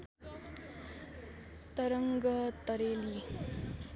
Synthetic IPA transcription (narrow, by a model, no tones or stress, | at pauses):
t̪ʌɾʌŋɡʌt̪ʌɾeli